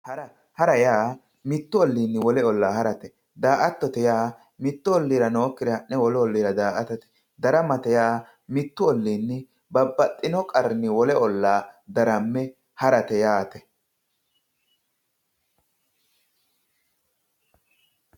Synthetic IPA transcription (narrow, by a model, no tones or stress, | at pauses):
hɐɾɐ | hɐɾɐjaː | mɪt̪ːʊɔlːiːnːɪwɔlɛɔlːaːhɐɾɐt̪ɛ | d̪aːʔɐt̪ːɔt̪ɛjaː | mɪt̪ːʊɔlːiːɾɐno̞ːkːɪd̪ɛhɐʔːɛwɔlɔɔlːiːɾɐd̪aːʔɐt̪ɐt̪ɛ̥ | d̪ɐɾɐmɐt̪ɛjaː | mɪt̪ːʊɔlːiːnːɪ | bɐbːɐt̪ʼːɪnɔkʼɐɾnɪwɔlɛʔɔlːaːd̪ɐɾɐmːɛ | hɐɾɐt̪ɛjaːt̪ɛ